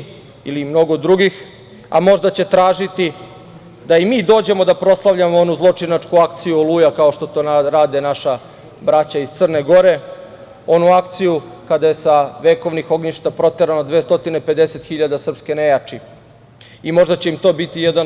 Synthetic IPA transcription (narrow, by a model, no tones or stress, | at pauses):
ilimno̞ɡo̞d̪ɾuɡix | a̰mo̞ʐd̪at͡ɕe̞t̪ɾaːʒit̪i | d̪aimiːd̪o̞ːd͡ʑe̞mo̞d̪apɾo̞slˠaʋʎamoonuzlˠo̞t͡ʂinat͡ʂkuakt̪sijuolˠuːjakao̞ʃt̪o̞t̪o̞ːnaɾaːd̪enaʃa | bɾat͡ɕaiz̥t̪sər̩neɡo̞ɾe̞ | o̞nuakt̪siju | kad̪aje̞saʋe̞ko̞ʋnixo̞ɡɲiʃt̪apɾo̞t̪eɾanod̪ʋeːst̪o̞t̪inepe̞d̪e̞se̞t̪xiʎad̪asr̩pske̞ne̞jaːt͡ʂi | imo̞ʐd̪at͡ɕeimt̪o̞ːbit̪ijed̪an